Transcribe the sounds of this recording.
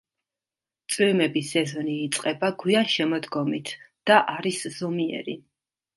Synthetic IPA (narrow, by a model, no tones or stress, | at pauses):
t̪sʼwimɛbisɛzɔniːt̪sʼqʼɛbaɡwianʃɛmɔd̪ɡɔmit̪ʰd̪̥aʔaɾisz̥ɔmiɛ̰ɾi